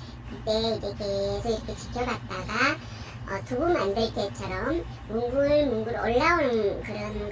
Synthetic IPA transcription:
kɯt͈e̞id͡ʑe̞teːsʰʌiɾʌkʰe̞t͡ɕi̥kʰjʌɡat̚t͈aɡa | ʌtubumandeɭt͈et͡ɕʰʌɾʌmː | uŋɡuɯɭmuŋɡuɾʌɭːaɯnɯnkɯɾʌnɡ

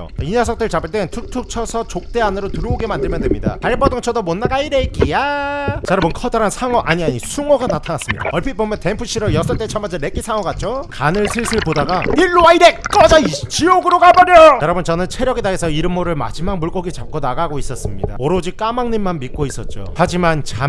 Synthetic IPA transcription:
o̰inas̬ʰʌk̚t͈ɯɭt͡ɕabɯɭt͈we̞ntʰuk̚tʰuk̚t͡ɕʰʌsʰʌt͡ɕok̚t͈e̞anɯɾotɯɾʌoɡe̞mandɯɭmjʌndwemɲida̰taɭbʌdoŋt͡ɕʰʌdomonːaɡaiɾek͈ijat͡ɕaɾʌbɯnkʰʌdʌɾansʰaŋʌʔaɲiaɲisʰuŋʌɡanatʰanas͈ɯmɲḭd̥a̰ʌɭpʰipomjʌnte̞mpʰuɕ͈ʰiɾʌjʌsʰʌɭt͈e̞t͡ɕʰʌmand͡ʑenek͈isʰaŋʌɡat̚t͡ɕ͈okanɯɭsʰiɭsʰɯɭpodaɡaiɭːoaiɾekk͈ʌd͡ʑait͡ɕioɡɯɾokabʌɾʌjʌɾʌbɯnt͡ɕʌnɯnt͡ɕʰeɾjʌɡedaesʰʌiɾɯmːoɾɯɭma̰d͡ʑimak̚muɭk͈ʌɡit͡ɕap̚k͈onaɡaɡois͈ʌs͈ɯmɲida̰oɾod͡ʑik͈amaŋninmanmik̚k͈ois͈ʌt̚t͡ɕ͈o̰had͡ʑimant͡ɕam

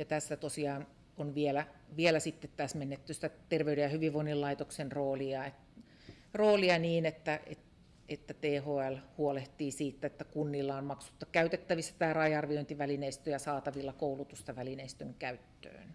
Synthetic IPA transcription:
jɑt̪æsːæt̪osiɑːn | onʋielæʋielæsit̪ːet̪t̪æsmenːet̪ːyst̪æt̪erʋeydejɑhyʋiʋʋoinːillɑit̪oksenroːliɑet | roːliɑniːnet̪ːæḛt | et̪ːæt̪eːhoːælhuoleht̪iːsiːt̪ːet̪ːækunːilːɑommɑksu̥t̪ːɑkæyt̪et̪ːæʋisːæ̥t̪æːrɑjɑrʋioint̪iʋælineist̪øjɑsɑːt̪ɑʋilːɑkoulut̪ust̪ɑʋælineist̪øŋkæyt̪ːø̰ːn

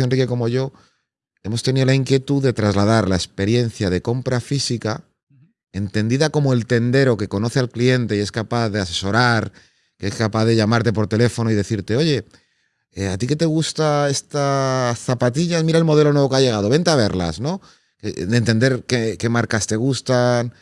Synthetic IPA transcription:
onrike̞ko̞mo̞ʝo̞ | e̞mo̞st̪e̞niðo̞laiŋkje̞t̪uðe̞t̪ɾazlað̞aɾlaespe̞ɾje̞n̟θjað̞e̞ko̞mpɾafisika | e̞nt̪e̞nd̪iðako̞moe̞lt̪e̞nd̪e̞ɾo̞ke̞ko̞no̞θealklie̞nt̪e̞e̞skapaθðe̞ase̞so̞ɾaɾ | keeskapaθðe̞ʎamaɾt̪e̞p̬o̞ɾt̪e̞le̞fo̞noið̞e̞θiɾt̪e̞o̞ʝe̞ | at̪ike̞t̪e̞ɣ̞ust̪ae̞st̪asθapat̪iʎasmiɾaelmo̞ð̞e̞lo̞nwe̞β̞o̞kaʝe̞ɣ̞að̞o̞βe̞nt̪eaβ̞e̞ɾla̰zno̞ | ked̪ent̪e̞nd̪e̞ɾkeke̞maɾkast̪e̞ɣ̞ust̪an

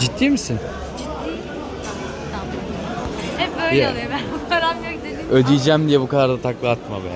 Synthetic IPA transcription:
d͡ʒit̪ʰːiːmisɪn | d͡ʒit̪ʰːi | a | hɛpbøjlɛolˠɯjbænkʰad̪amjøcd̪ed̪iød̪ijd͡ʒæmd̪ijɛbukad̪aɾd̪at̪ʰaklˠaat̪mabæ̰n

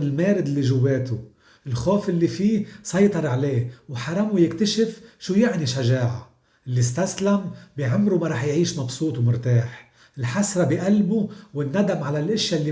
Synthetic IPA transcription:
ɪlmeːɾɪd̪ɪlːiʒʊwːeːt̪u | ʔɪlxoːfʔɪlːifiːsˤɑjt̪ˤɑɾˤʕaleːwħɑɾˤɑmujɪkt̪aʃɪfʃuːjɪʕniʃaʒaːʕa̰ | ʔɪlːist̪aslambiʕɪmːɾumaɾˤɑːħjʕiːʃmɑbsˤuːt̪ˤwmʊɾt̪aːħ | ɪlħasɾˤɑbiʔalbuwɪnːad̪amʕalalʔɪʃjalːi

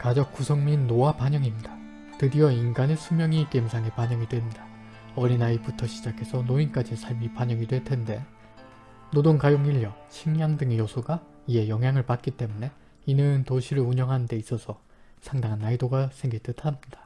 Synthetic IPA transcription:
kad͡ʑʌk̚k͈usʰʌŋminːoapaɲʌŋimɲida | tɯdiʌinɡanesʰumjʌŋik͈e̞msʰaŋe̞paɲʌŋidwe̞nda | ʌɾinaiputʰʌɕʰid͡ʑakʰe̞sʰʌnoink͈ad͡ʑisʰaɭmipaɲʌŋidwe̞ɭtʰe̞nde̞ | nodoŋkajoŋiʎːʌt͡ɕʰiŋjaŋdɯŋejosʰuɡa | ie̞jʌŋɦjaŋɯɭpat̚k͈it͈e̞mune̞ | inɯntoɕʰiɾɯɭuɲʌŋɦanɯnde̞is͈ʌsʰʌ | sʰaŋdaŋɦanːaidoɡasʰe̞ŋɡiɭt͈ɯtʰamɲid̥ḁ

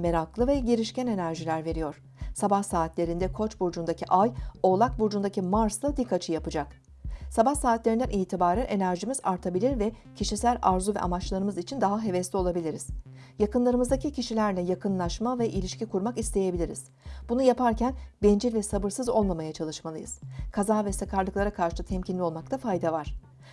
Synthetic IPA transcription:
me̞ɾaklˠɯvɛɟeɾiʃcæne̞næɾʒilʲæɾve̞ɾijo̞ɾ̥ | sabahsaːt̪ʰlʲe̞ɾind̪ɛkʰo̞t͡ʃbuɾd͡ʒund̪acʰiʔajo̞lˠak̚buɾd͡ʒund̪acimaɾslˠad̪ikʰːat͡ʃʰɯjapɯd͡ʒak | sabahsaːt̪lʲeɾind̪ænʔiːt̪ʰibaːɾænʔe̞næɾʒimizaɾt̪ʰabilʲiɾvɛ | cʰiʃisælʲaɾzuvɛ̰a̰mat͡ʃlˠaɾɯmɯzit͡ʃʰind̪aɦaɦe̞vɛslʲio̞lˠabilʲiɾiz̥ | jakɯnlˠaɾɯmɯzd̪acʰicʰiʃilʲæɾlʲɛjakɯnlˠaʃmavɛʔilʲiʃcikʰuɾmakist̪ʰe̞je̞bilʲiɾḭz̥ | b̥unujapʰaɾcʰænbɛnd͡ʒilvɛsabɯɾsɯzo̞̰lˠmamajat͡ʃʰalˠɯʃmalˠɯjɯ̰z̥kʰazaːvɛsakʰaɾlˠɯklˠaɾakʰaɾʃɯt̪ʰɛmcʰinlʲio̞lˠmak̚t̪ʰafajd̪avaɾ̥

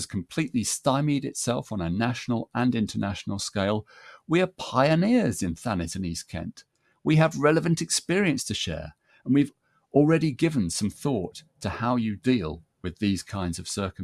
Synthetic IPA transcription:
z̥kʰm̩pʰl̥iʔlistaɪmiɾɨtsɛlˠfn̩ənæʃn̩l̩ˠə̃nɪ̃ntʰənæʃn̩l̩ˠskeɪlˠ | wiə˞pʰaɪɨnɪɹzɨ̃nθænɨtɨniz̥kʰɛ̰̃nʔ | wiɨvɹɛlˠəvɨ̃ntɨkspɪɹiɨ̃nstʰɨʃɛ̰ɹ | ə̃nwiv | l̩ˠɹɛɾiɡɪvə̃nsʌ̃mθɔˑtʰəhaʊjɨdilˠ | wɨðiz̥kʰãɪ̃ndzʌv̥sɜ˞k

